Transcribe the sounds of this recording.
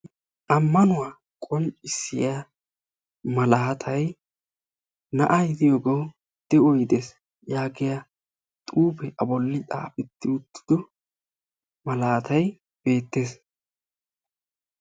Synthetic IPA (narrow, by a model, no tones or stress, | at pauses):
ʔɐmːɐnʊwaː | kʼɔnt͡ʃʼɪsːɪja | mɐlaːt̪ʰɐj | nɐ̰ʔɐjɪd̪ɪjoːɡow | d̪̥ɛɔjd̪eːs | jaːɡɪja | t̪ʼuːpɛʔɐbɔlːɪtʼa̰ːfɪt̪ːɪʊt̪ːɪ̥d̪ɔ | mɐlaːt̪ɐj | b̥e̞ːt̪ːe̞ːs